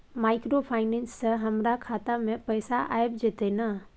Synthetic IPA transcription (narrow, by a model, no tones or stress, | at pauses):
maːɪkɾopʰaːɪnẽnsːəɦɐmɾakʰaːt̪amẽpəjsaʔa̰ːebd͡ʒet̪enɐ